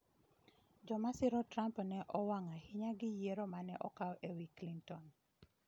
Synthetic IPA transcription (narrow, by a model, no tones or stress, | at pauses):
d͡ʒɔmasɪɾɔtɾampnɛʔɔwaŋahɪɲaɡɪjeɾɔmanɛʔɔkaɔʔewiklintɔn